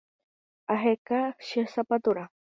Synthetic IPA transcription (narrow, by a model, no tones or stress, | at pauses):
aɦekaʃisapat̪ʊɾa